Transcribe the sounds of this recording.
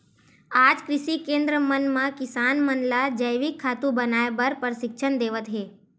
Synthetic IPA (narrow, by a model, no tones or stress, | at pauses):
aːd͡ʒkɾɪʃikẽːnd̪ɾəmənmãkɪsaːnmənlad͡ʒəjʋɪkʰːaːt̪ũbɐnaːebəɾpəɾsɪkʃʰənd̪eːʋət̪ɦeː